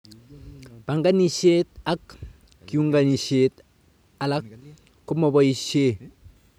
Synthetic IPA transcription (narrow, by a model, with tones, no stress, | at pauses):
b̥a˨ŋɡa˦ni˦ʃe˦t̪̚a˦k | kːi˨u˦ŋɡa˨ni˨ʃe˨t̪ | a˨la˦k | kːu˦mo˨bo˦i˦ʃe˦